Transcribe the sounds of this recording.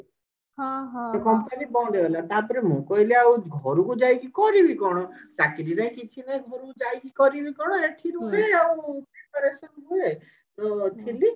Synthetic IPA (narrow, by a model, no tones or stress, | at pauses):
ɦɦt̪ɔkɔmpənibɔ̃d̪eɦelat̪apɔɾemũkɔiliaũɡʱɔɾukud͡ʒajɡikɔɾibʱikɔɽ̃ɔt͡ʃakiɾinaĩkit͡ʃʰinaĩɡʱɔɾud͡ʒajɡikɔɾibʱikɔɽ̃ɔeeʈʰiɾuɦeaũpekɔɾesɔnue | t̪ɔt̪ʰili